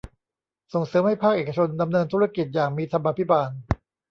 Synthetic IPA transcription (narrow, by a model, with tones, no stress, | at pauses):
so˨˩ŋsɤː˩˦mha˥˩jpʰaː˥˩k̚ʔeː˨˩ka˧t͡ɕʰo˧nda˧mnɤː˧nt̪ʰuː˦˥ɾa˧˩ki˨˩t̪̚jaː˨˩ŋ̚miː˧t̪ʰa˧mʔaː˧pʰi˦˥baː˧n